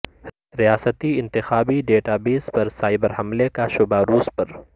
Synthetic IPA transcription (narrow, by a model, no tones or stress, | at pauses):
ɾijaːsət̪iɪ̃nt̪ɪxaːbiɖeːʈaːbeːzpɐɾsaːɪbəɾɦɐmlekaʃʊbaɾuːspɐɾ